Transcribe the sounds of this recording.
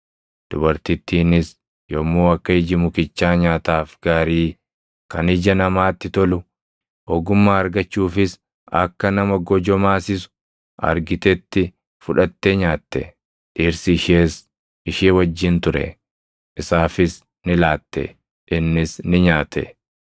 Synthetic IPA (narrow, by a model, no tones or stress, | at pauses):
d̪̥ʊbɐɾt̪ɪt̪ːiːnɪs | jɔmːoːɐkːɐɪd͡ʒɪmʊkɪt͡ʃːaːɲaːt̪aːfɡaːɾiː | kɐnɪd͡ʒɐnɐmaːt̪ːɪt̪ɔlʊ | ɔɡʊmːaːɐɾɡɐt͡ʃːuːfɪs | ɐ̰kːɐnɐmɐɡɔd͡ʒɔmaːsɪsʊ̥ | ɐ̰ɾɡɪt̪ɛt̪ːɪ | fʊᶑɐt̪ːeɲaːt̪ːɛ̰ | ᶑiːɾsɪːʃeːs | ɪʃeːwɐd͡ʒːɪnt̪ʊɾɛ̰ | ɪsaːfɪs | nɪlaːt̪ːɛ̰ | ʔɪnːɪsnɪɲaːt̪ʰːɛ̰